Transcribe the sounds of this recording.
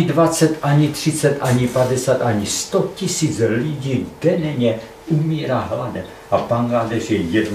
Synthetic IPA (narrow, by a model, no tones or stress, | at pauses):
dvat͡sɛt̪ʔaɲit̪r̥ɪt͡sɛt̪ʔaɲipadɛsaːt̪ʔaɲist̪ocisiːt͡sliɟiːɡdɛnɛɲɛ | ʔumiːɾaːɦladɛ | ʔapaŋɡaːdɛrjɛjɛdn